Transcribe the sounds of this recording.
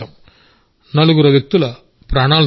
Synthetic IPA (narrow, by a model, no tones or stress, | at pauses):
ɐm | nɐɭɯɣɯɾɐʋɪk̚t̪ːɯlɐ | pɾaːnaːl